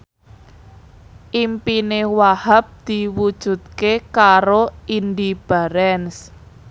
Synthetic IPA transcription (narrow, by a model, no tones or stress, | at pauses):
ʔimpinewahap̚d̪̥i̤wud̥ʒ̥ṳt̪̚kekaɾoind̪ib̥a̤ɾɛns